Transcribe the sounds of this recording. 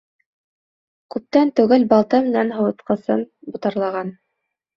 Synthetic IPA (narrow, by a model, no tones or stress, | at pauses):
kʉp̚t̪ænt̪ɵ̆ɡælbɑlˠt̪ɤmɘ̆nænɦɤ̆wɤ̆t̪qɤ̆sɤmbŭt̪ɑɾlˠɑʁɑn